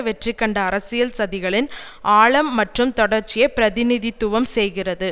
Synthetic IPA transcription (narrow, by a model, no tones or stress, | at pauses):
ʋɛʈrikːɐɳɖɐːɾɐsɪjɐlsɐðɪɣɐɭɪn | ʔaːɭɐmːɐʈrɯmt̪ɔɽɐɾt͡ʃːɪjɐpɪɾɐðɪnɪðɪt̪ːʊʋɐmsɛjɣɪrɐðɯ